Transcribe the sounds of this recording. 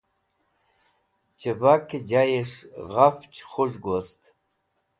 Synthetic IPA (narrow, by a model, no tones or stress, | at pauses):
t͡ʃʰɐbakʰid͡ʒajeʂʁaft͡ʃʰʼχʷʊʐɡʷɔstʰʼ